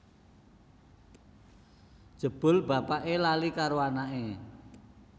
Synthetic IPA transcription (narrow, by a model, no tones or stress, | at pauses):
d̥ʒ̥ə̤b̥ʊ̤lb̥a̤paʔelalikaɾoanaʔe